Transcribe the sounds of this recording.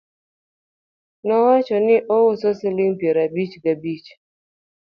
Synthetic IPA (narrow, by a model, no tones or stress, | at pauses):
nɔɦɔt͡ʃɔnɪʔowʊsɔsɪlim̩pjeɾabit͡ʃɡabit͡ʃ